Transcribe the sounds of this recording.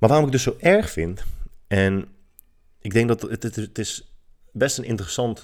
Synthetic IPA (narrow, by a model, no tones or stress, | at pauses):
maːʋaːɔmɪkədɵsowʔɛɹχfɪntɛn | ɪɡ̚dɛŋk̚dɔtətɪs | bɛstənɪ̰ntərəsɑnt